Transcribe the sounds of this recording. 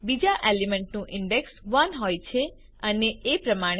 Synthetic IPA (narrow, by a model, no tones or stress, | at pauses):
bid͡ʒaʔelimeɳʈnũʔɪɳɖeksʋənɦojt͡ʃʰe | əneːpɾəmaɽ̃